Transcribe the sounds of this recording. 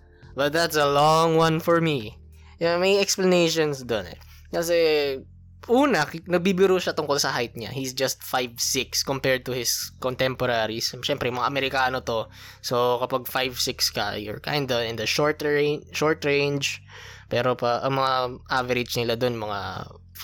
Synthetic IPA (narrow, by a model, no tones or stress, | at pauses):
bɐt̪̚d̪t̪sɐlɔŋwɐnfɔɹmi | jamɐjɛksplɐnejʃonsd̪onɛ̰ | kɐs̬ɛ | ʔuːnɐnɐɡ̚bibɪɾuʃat̪ʊŋko̞lsɐɦajt̪̚ɲa̰hisd͡ʒɐst̪̚fajvsɪkskompɛɹd̪̚t̪ʊhɪskɔnt̪ɛmpɔɾaːɾisʃɛmpɾɛjmɐŋaʔɐmɛɾɪkaːnot̪o̞ | sokɐpaɡ̚fajvsɪkskɐ̰jʊ̰ɹkã̰jnd̪ɐɪ̃nd̪ɐʃɔɹt̪ɹʃoɹt̪ɹẽnd͡ʒ | pɛːɾopɐʔɐŋmɐŋaʔavɛɾɪd͡ʒnɪlad̪onmɐŋa̰